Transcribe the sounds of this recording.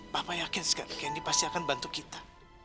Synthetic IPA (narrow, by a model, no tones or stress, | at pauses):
papajakɪnska̰kaandipast̪iakanbant̪ukit̪ḁ